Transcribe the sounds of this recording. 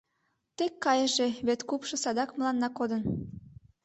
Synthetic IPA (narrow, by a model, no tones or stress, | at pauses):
t̪ekːɑjəʒeβet̪kupʃɤ̆sɑd̪ɑkməlɑnːɑkod̪ən